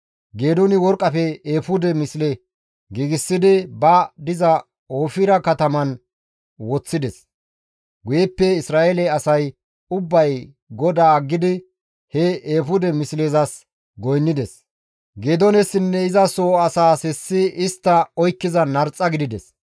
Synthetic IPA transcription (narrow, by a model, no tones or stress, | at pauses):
ɡe̞ːd̪ʊnɪwɔɾkʼːɐpɛeːfʊd̪ɛmɪslɛ | ɡiːɡɪsːɪd̪ɪbɐd̪ɪzɐ | oːfɪɾɐkɐt̪ɐmɐn | wɔt͡sːɪd̪ɛs | ɡʊjɛpːɛɪsɾaːelɛɐsɐj | ʊbːɐj | ɡɔd̪aːɡːɪd̪ɪ | hɛeːfʊd̪ɛmɪsleːzɐs | ɡɔjnːɪd̪ɛs | ɡeːd̪ɔnɛsɪnːɛɪzɐsoːɐsaːsɛsːɪɪst̪ːɐɔjkːɪzɐnɐɾt͡sʼːɐɡɪd̪ɪd̪ɛs